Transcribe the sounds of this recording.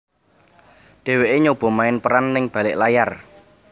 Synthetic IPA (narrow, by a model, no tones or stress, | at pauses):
ɖ̪̥e̤weʔeɲob̥ɔ̤maɪnpəɾanːɪŋb̥ä̤lɪʔlajar